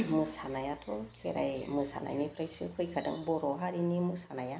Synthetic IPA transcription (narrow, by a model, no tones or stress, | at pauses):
mɯsanajatʰɔkʰḛɾa̰jmɯsa̰na̰ɲipʰɾajsɯkʰɔjkʰada̰ŋbɔɾɔɦaɾinimɯsanaja